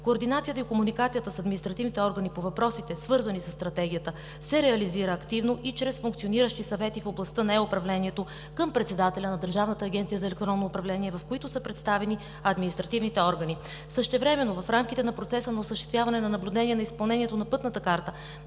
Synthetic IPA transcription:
koːɾd̪inat̪sijət̪əikomunikat̪sijət̪əsɐd̪minist̪ɾɐt̪ivnit̪ɛɔɾɡənipovɐpɾɔsit̪ɛsvɤɾzɐnisəst̪ɾɐt̪ɛɡʲijət̪ə | sɛɾɛɐliziɾəːkt̪ivnoʔit͡ʃɾɛsfuŋkt̪sioniɾəʃt̪isɐvɛt̪ifoblˠɐst̪ənɐɛʊpɾɐvlɛniɛt̪o | kəmpɾɛt̪sɛd̪at̪ɛlʲɐnɐd̪əɾʒavnət̪əːɡʲɛnt̪sijəzɐɛlɛk̚t̪ɾɔnːoːpɾɐvlɛniɛvɐfkoit̪ʊsəpɾɛt̪st̪avɛni | ɐd̪minist̪ɾɐt̪ivnit̪ɛɔɾɡəni | səʃt̪ɛvɾɛmɛnːovɐfɾamkit̪ɛnɐpɾot̪sɛsənɐʊsəʃt̪ɛst̪vʲjavɐnɛnɐnɐblʲʊd̪ɛniɛnɐispɐlˠnɛniɛt̪onɐpɤt̪nət̪əkaɾt̪ə

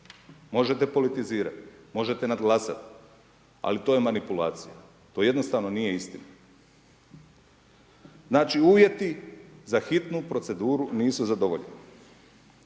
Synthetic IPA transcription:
mo̞ʒet̪epo̞lit̪iziːɾa̰t̪mo̞ʒe̞t̪enad̪ɡlˠaːsa̰t̪ | a̰lit̪o̞ːjemanipulaːt̪sija | t̪o̞je̞d̪no̞st̪aːʋno̞nije̞ist̪ina | znaːt͡ʃiuːʋje̞t̪izaxit̪nupɾo̞t̪se̞d̪uːɾuniːsuzad̪o̞ʋoʎeni

